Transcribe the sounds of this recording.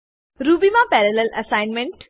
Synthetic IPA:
ɾuːbimãpɛːɾəlelʔɐsãɪnmẽɳʈ

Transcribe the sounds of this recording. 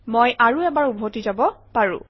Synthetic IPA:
mojʔaɹuɛbaɹubʱotizabɔpaɹṵ̃

